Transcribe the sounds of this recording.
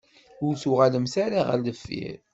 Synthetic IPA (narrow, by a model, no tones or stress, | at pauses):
ʊɾθʊʁaləmθaɾaʁə̰ləfːḭɾ